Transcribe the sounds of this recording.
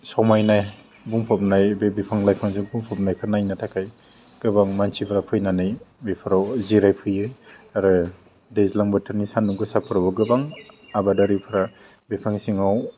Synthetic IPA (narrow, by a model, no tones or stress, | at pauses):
sawmajnaj | buŋpʰap̚najbebipʰaŋlajpʰaŋsiŋbuŋpʰap̚najkʰɯnajnatʰakʰaj | ɡ̥ɯbaŋmansʰipʰalapʰɯjnanajbipʰɯɾawziɾajpʰɯjɯaɾɯ | dezlaŋbɯtʰaɾnisanuŋɡɯsapʰɯɾabɯɡɯbaŋabadaɾipʰɯɾa | bipʰaŋsiŋaw